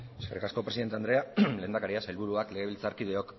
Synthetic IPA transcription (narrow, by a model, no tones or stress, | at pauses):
e̞ske̞rikasko̞pɾe̞siðe̞nt̪eand̪ɾe̞ale̞ːnd̪akaɾiasajlβuɾuakle̞ɣe̞β̞ilt͡saɾkið̞e̞o̞k